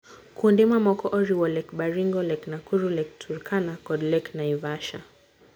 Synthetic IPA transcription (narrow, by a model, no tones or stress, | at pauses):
kʰundimamɔkɔʔɔɾiwɔlɛkɓaɾiŋɡɔlɛknakuɾulɛk̚tʰuɾkʰanakɔdlɛknaivaʃa